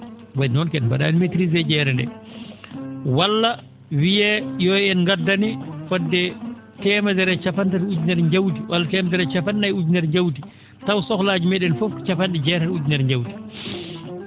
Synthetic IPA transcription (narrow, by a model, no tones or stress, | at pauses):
wajnɔnkɛɗmbaɗa̰nmetɾizɛd͡ʒɛːɾɛndɛ̰ | walːa | wijɛjɔjɛnŋɡadːanifɔdːɛ | tɛmadɛɾɛt͡ʃapantaɾud͡ʒnɛɾɲd͡ʒawtiwalːatɛmadɛɾɛt͡ʃapantajud͡ʒnɛɾɲd͡ʒawti | tawsɔklaːd͡ʒimɛɗɛnfɔft͡ʃapanɗɛd͡ʒɛɾaɾud͡ʒnɛɾɲd͡ʒawti̥